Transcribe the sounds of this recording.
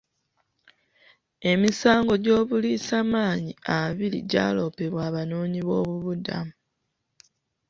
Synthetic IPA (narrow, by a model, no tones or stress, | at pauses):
e̞misaːŋɡo̞ɟo̞ːβuliːsamaːɲiaβiɾḭɟa̰ːlo̞ːpe̞βwaːβanoːɲiβo̞ːβuβudamu